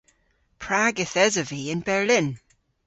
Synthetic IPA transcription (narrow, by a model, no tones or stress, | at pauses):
pʰɹ̥aɡɪθɛzəviɪ̃nbɛɹlɪ̃n